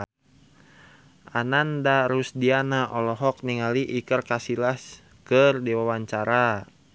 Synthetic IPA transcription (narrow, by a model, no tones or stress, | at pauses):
ʔa̰nandaɾusdianaʔɔlɔɦɔk̚niŋaliʔikərkasilas | kərdiwawaɲt͡ʃaɾa